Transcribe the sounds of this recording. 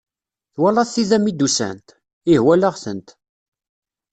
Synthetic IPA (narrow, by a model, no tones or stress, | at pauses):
θwælɑθθiðæmid̪usæ̰nt̪ | ihwæləʁθə̰nt̪